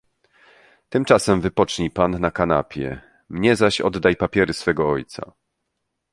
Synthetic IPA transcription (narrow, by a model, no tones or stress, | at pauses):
t̪ɘmt͡ʂasɛmvɘpɔt͡ʂɲipanːakana̰pʲjɛ̰ | mɲɛzaɕɔ̰d̪d̪ajpapʲjɛɾɘsfɛɡɔɔjt̪sa̰